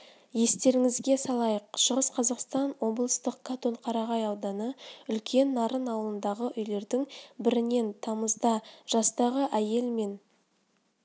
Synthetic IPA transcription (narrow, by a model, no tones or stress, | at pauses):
je̞st̪e̞ɾɪŋɪzɡʲe̞sɑlˠɑjəqʃəʁəsqʰɑzɑqst̪ɑnwo̞blˠəst̪əq̚kat̪o̞ɴqʰɑɾɑʁɑjɑwd̪ɑnəʏlkʲʰe̞nːɑɾənɑwəlˠənd̪ɑʁəʔʏjle̞ɾd̪ɪŋbɪɾɪne̞nt̪ʰɑməzd̪ɑʒ̥ɑst̪ɑʁəʔæje̞lme̞n